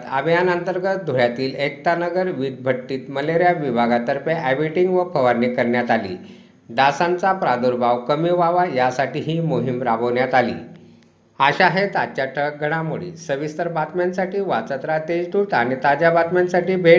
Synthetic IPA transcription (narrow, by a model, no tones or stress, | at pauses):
t̪abjanənt̪əɾɡət̪̚d̪ʱuɭjat̪iːlek̚t̪anəɡəɾʋid̪̚bʱəʈːiːt̪məleɾjaʋibʱaɡat̪əɾpeʔæbiʈiŋɡʋəpʰəʋaɾnikəɾɳjat̪alḭː | d̪asãnt͡sapɾad̪uɾbʱaʋkəmiʋaʋajasaʈiːɦiːmoɦimɾabəʋɳjat̪alḭː | aɕaɦet̪at͡ɕaʈʰək̚ɡʱəɽ̃amuɭḭsəʋist̪əɾbat̪mjansaʈiːʋat͡sət̪ɾat̪ed͡zʈ̪ut̪aɽ̃it̪ad͡ʑjabat̪mansaʈiːbʱe